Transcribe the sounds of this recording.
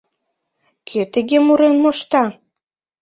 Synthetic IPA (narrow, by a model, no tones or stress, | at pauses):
kʰøt̪ə̆ɣemuɾenmoʃt̪ɑ